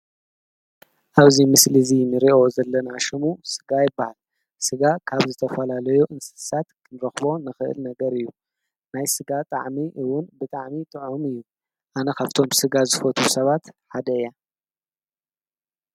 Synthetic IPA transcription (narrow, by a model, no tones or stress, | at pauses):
ʔaβzimɨslɨzinɨɾiʔo̞zɐlːɐnaʃɨmusɨɡajɪbːahal | sɨɡakʰaβzɨt̪ʰɐfɐlalɐjuʔɨnsɨ̥sat̪kʰɨnɾɐxbo̞nɨxɨʔɨ̰lnɐɡɐɾɨjːu | najsɨɡat̪ʼa̰ʕmiʔɨwʊnbɨt̪ʼaʕmit̪ʼɨʕumɨjːu | ʔanɐxaft̪ʰo̞msɨɡazɨfɐt̪ʰusɐβat̪ħad̪ɐja